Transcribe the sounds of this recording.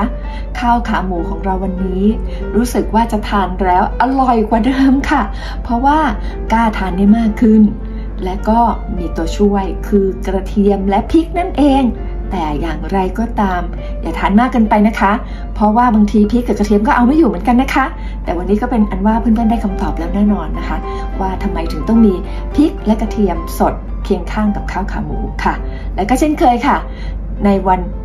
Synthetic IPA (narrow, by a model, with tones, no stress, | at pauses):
kʰaː˥˩wkʰaː˨˦muː˨˩˦kʰɔː˩˦ŋɾa˧wːa˧nːiː˦˥ | ɾuː˦˥sɯ˨˩k̚waː˥˩t͡ɕa˨˩t̪ʰaː˧nɾɛː˦˥wʔa˧lɔ˨˩jkwa˨˩dɤː˧mkʰa˥˩ | pʰɾɔ˦˥waː˥˩ | kaː˥˩t̪ʰaː˧nːiː˥˩jmaː˥˩kʰːɯ˥˩n | lɛ˦˥wkɔː˥˩miː˧t̪u˧ɐt͡ɕʰu˥˩əjkʰɯː˧kɾa˧t̪ʰi˧əmlɛ˦˥pʰi˦˥k̚na˥˩nʔeː˧ŋ | t̪ɛː˨˩jaː˨˩ŋɾa˧jkɔː˨˩t̪aː˧m | jaː˨˩t̪ʰaː˨˦nmaː˥˩kːɤː˧npa˧jna˦˥kʰa˦˥ | pʰɾɔ˦˥waː˥˩baː˧ŋt̪ʰiː˧pʰi˦˥kːa˨˩ka˧t̪i˧əmkɔː˥˩ʔa˧wma˥˩jːuː˨˩mɯ˩˦nka˧nːa˦˥kʰa˦˥ | t̪ɛː˨˩wa˧nːiː˦˥kɔː˥˩pe˧nʔa˧nwaː˥˩pʰɯ˥˩nt̪a˥˩da˥˩jkʰa˧mt̪ɔː˨˩p̚lɛː˦˥wnɛː˥˩nɔː˧nːa˦˥kʰa˦˥ | waː˥˩t̪ʰa˧mːa˧jt̪ʰɯ˩˦ŋt̪ɔ˥˩ŋmiː˧ | pʰi˦˥k̚lɛ˦˥kɾa˧t̪ʰi˧əmso˨˩t̪̚ | kʰi˧əŋkʰaː˥˩ŋka˨˩p̚kʰaː˥˩wkʰaː˨˩˦mṵː˨˩˦kʰa˥˩ | lɛː˦˥kɔː˥˩t͡ɕʰe˥˩nkʰɤː˧jkʰa˥˩ | na˧jwa˧n